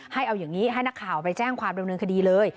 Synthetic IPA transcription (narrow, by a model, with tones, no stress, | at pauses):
ha˥˩jʔa˧wjaː˨˩ŋniː˦˥ɦa˥˩jn˦˥kʰːaː˨˩wpa˧jt͡ɕɛː˥˩ŋkʰwaː˧mda˧mnɤː˧nkʰa˧diː˧lɤː˧j